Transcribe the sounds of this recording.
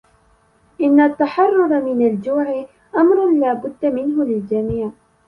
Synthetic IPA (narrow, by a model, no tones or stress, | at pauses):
ʔɪnːat̪ːaħɑrˤːʊɾˤmɪnald͡ʒuːʕɪ | ʔamɾˤʊnlaːbʊd̪ːamɪnɦʊlɪld͡ʒamiːʕ